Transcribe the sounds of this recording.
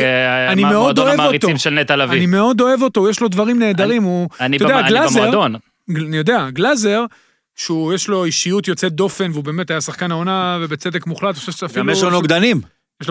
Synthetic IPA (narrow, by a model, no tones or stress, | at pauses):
animeod̪oevaoit̪oimʃelnet̪alavnime̞od̪o̞e̞vo̞t̪ojeʃlo̞d̪vaʁimne̞ːd̪aʁimuanitodealazeʁdon | anijo̞d̪eaɡlaze̞ʁ | ʃeujeʃlo̞iʃijut̪jo̞t͡sed̪o̞fe̞nveube̞ːme̞t̪ajasaχkanaonavebet͡se̞d̪e̞kmuχlat̪χoʃeʃeafilmeʃonoɡd̪anim | jeʃl